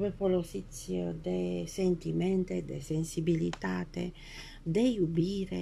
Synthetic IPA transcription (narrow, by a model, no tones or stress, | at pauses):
mepolosit̪sjod̪esent̪imɛnt̪ed̪esensibilit̪aːt̪ḛ | d̪ejubiːɾe